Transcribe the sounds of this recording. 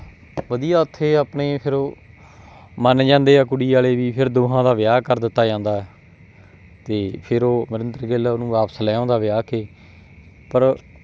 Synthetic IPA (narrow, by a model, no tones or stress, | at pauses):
ʋəd̪ijaːət̪ʰːeːaːpneːpʰɪɾː | mənd͡ʒãːnd̪eːaːkʊɽiːaːleːʋiːpʰɪɾd̪oːɦãːd̪aːʋɪjaːkəɾd̪ɪt̪ːaːd͡ʒãːnd̪aːɛ | t̪eːpʰɪɾoːmɪɾənd̪əɾɡeːlaːʊnũːʋaːpslɛːõːd̪aːʋɪjaːkeː | pəɾ